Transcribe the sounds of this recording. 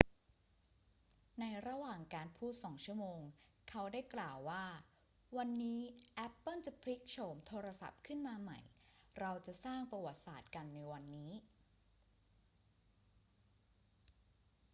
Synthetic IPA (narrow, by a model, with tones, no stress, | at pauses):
na˧jɾa˧waː˨˩ŋkaː˧npʰuː˥˩t̪̚sɔː˩˦ŋt͡ɕʰu˥˩əmoː˧ŋ | kʰa˦˥wdaː˥˩jklaː˨˩wːaː˥˩ | wa˧nːiː˦˥ʔɛ˦˥pːɤ˥˩nt͡ɕa˨˩pʰli˦˥k̚t͡ɕʰo˧mt̪ʰoː˧ɾa˧sa̰˨˩p̚kʰɯ˥˩nmaː˧ma̰˨˩jɾa˧wt͡ɕa˨˩ʔsaː˥˩ŋpa˧wa˨˩t̪̚sa̰ː˨˩t̪̚ka˧nːa˧jwa˧nːiː˦˥